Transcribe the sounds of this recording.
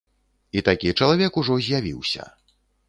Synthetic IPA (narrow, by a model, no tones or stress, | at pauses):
it̪akʲit͡ʂɐlˠavʲɛkuʐɔzʲjavʲḭwsʲɐ̰